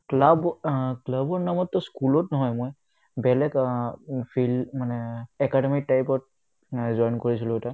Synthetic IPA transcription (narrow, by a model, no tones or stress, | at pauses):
klabklabɔɹnamɔtːɔskulɔtnɔɦɔjmɔj | bɛlɛk | pʰilmanɛɛkademik̚tajpɔt̚ | zɔjnkoɹisilʊɛta